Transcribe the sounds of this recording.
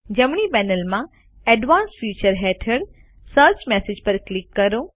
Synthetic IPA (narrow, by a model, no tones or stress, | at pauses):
d͡ʑɐmɳ̃ipɛːnəlmã | ɛːɖʋãːnsfjuːt͡ɕəɾɦeːʈʰəɽ | səːɾt͡ʃmɛːsɪd͡ʑpɐɾklɪkːɐɾoː